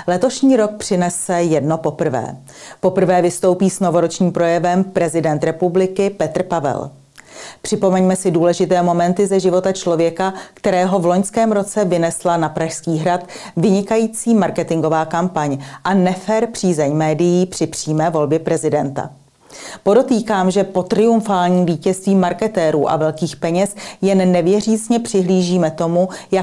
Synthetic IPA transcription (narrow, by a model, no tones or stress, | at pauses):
lɛt̪o̞ʃɲiːɾo̞k̚pr̥ɪnɛsɛjɛdno̞po̞pr̩vɛ̰ː | po̞pr̩vɛːvɪst̪o̞wpiːsno̞vo̞ɾo̞t͡ʃɲiːmpɾo̞jɛvɛmpɾɛzɪdɛnt̪ɾɛpublɪkɪpɛt̪r̩pavɛ̰l | pr̥ɪpo̞mɛɲmɛsɪduːlɛʒɪt̪ɛːmo̞mɛnt̪ɪzɛʒɪvo̞t̪at͡ʃlo̞vjɛkakt̪ɛɾɛːɦo̞vlo̞ɲskɛːmɾo̞t͡sɛvɪnɛslanapɾaʃskiːɦɾat̪vɪɲɪkajiːt͡siːmaɾkɛt̪ɪŋɡo̞vaːkampaɲʔanɛfɛɾpr̝̥iːzɛɲmɛːdɪjiːpr̥ɪpr̥iːmɛːvo̞lbjɛpɾɛzɪdɛnt̪a̰ | po̞do̞t̪iːkaːmʒɛpo̞t̪ɾɪuɱfaːlɲiːmviːcɛst̪viːmaɾkɛt̪ɛːɾṵːʔa̰vɛlkiːxpɛɲɛsjɛnːɛvjɛriːt͡sɲɛpr̥ɪɦliːʒiːmɛt̪o̞muja